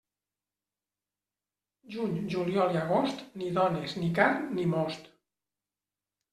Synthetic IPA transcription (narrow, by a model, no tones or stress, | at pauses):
ʒuɲʒuliɔliaɣ̞ost̪niðɔneznikarnimɔst̪